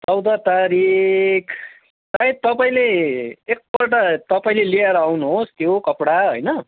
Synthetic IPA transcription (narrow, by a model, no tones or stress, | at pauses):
t͡sʌwd̪ʌt̪aɾikʰ | tait̪ʌpaĩleek̚bʌʈʌt̪ʌpaĩlelieɾʌawnuɦost̪jokʌpɽaɦo̰jnʌ